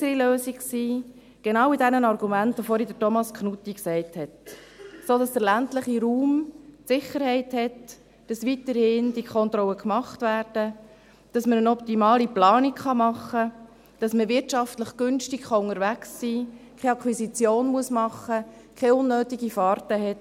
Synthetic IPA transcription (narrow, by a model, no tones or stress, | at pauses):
əɾiløːsiksiː | ɡ̥enɑːʊwidɛnənɑrɡumæntofɔɾidətɔmɑskχnutːiksɛɪthɛt | soːd̥ɑsd̥əɾlæntləχiɾuːmtsɪχəɾhɛɪthɛt | d̥ɑsʋitəɾhɪndikʰɔnt̪ɾɔwəkmɑχtvæːɾd̥ə | d̥ɑsməɾənɔptimɑːliplɑːnikχɑmɑχːə | d̥ɑsməʋɪɾtʃɑftləχɡ̥ʏnʃtɪkχɑʊŋəɾvæksːiːkʰɛɑkʰχwisit͡sjoːnmuəsmɑχə | kʰɛʊnːøːtiɡifɑːɾtəɦɛt